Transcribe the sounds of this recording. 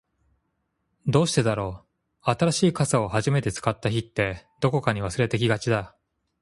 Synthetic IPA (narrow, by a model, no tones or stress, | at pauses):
d̪o̞ːɕi̥t̪e̞d̪aɾo̞ː | at̪aɾaɕiːkasao̞haʑime̞t̪e̞t͡sɨ̥kat̪ːaçit̪ːe̞d̪̥o̞ko̞kaɲ̟iβ̞asɨɾe̞t̪ek̬ʲiɡat͡ɕid̪a